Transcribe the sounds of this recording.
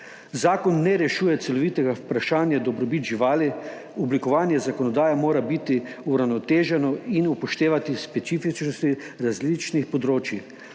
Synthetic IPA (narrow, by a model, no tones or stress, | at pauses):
zaːkɔnːɛɾɛʃuːjɛt̪sɛlɔʋiːt̪ɛɡaupɾaʃaːnjad̪ɔbɾɔbit̪ʒiʋaːli | ɔblikɔʋaːnjɛzakɔnɔd̪aːjamoːɾabit̪iuɾawnɔt̪eːʒɛnɔinupɔʃt̪eːʋat̪ispɛt̪siːfit͡ʃnɔst̪i | ɾazlit͡ʃnixpɔd̪ɾoːt͡ʃjix